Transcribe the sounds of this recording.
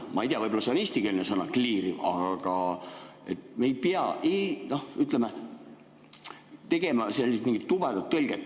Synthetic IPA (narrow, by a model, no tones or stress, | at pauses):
mɑejt̪eɑvɤjbolɑseɑnist̪ikelʲnesɤnɑkliːɾiɑɡ̥ɑ | e̞t̪me̞jpeɑenohyt̪ˑleme | t̪e̞ɡ̥e̞mɑselʲːist̪miŋɡ̥it̪ːub̥ed̪̥ɑt̪ːɤlʲɡ̥et̪ː